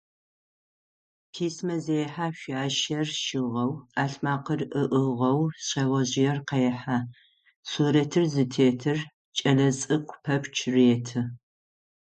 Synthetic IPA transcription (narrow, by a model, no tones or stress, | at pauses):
pʰiːsmɐzejħaːʃʷaːʃɐrʃɪʁɐwaːɬmaːqərʔɨʔɨʁɐwɕʼɐwɐʑɪjɛrqɐjɛħaː | suːɾɐtʰɨrzɨtʰeːtʰɨr | t͡ʃʼɐlɐsʼɨkʷʰʊpʰɐpʰt͡ʃʰreːtʰɨ